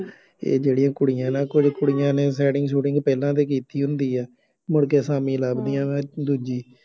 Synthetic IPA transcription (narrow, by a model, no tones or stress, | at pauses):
ḛːd͡ʒeːɽɪjãːkʊɽɪjãːnãːkʊd͡ʒkʊɽɪjãːneːs̬ɛːɖɪŋɡsuːʈɪ̃ŋɡpɛːlãːt̪̬eːk̬iːt̪iːɦʊ̃nd̪iːɛː | mʊɽkeːsaːmĩːlaːbd̪ijãːɛ̃ːd̪uːd͡ʒiː